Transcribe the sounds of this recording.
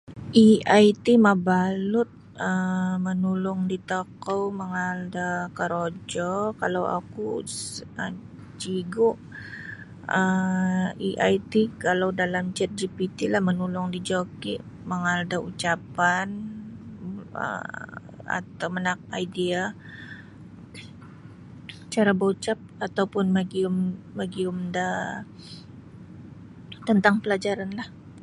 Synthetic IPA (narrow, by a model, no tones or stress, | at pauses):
ʔiajt̪imabalʊt̪̚ | əmənulʊŋdit̪okowməŋaldakəɾod͡ʒɔkalawa̰ku | ə | t͡ʃiɡʊʔ | ə | iʔajt̪ikalawdalamt͡ʃət̪̚d͡ʒipit̪ilahmənulʊŋdid͡ʒokiʔ | məŋaldaʔut͡ʃapan | ə̰ | a̰t̪awmənak̚ajdia | t͡ʃaɾabot͡ʃap̚at̪awpʊnmaɡiʊmːaɡiʊmda | t̪ənt̪aŋpəlad͡ʒaɾanlah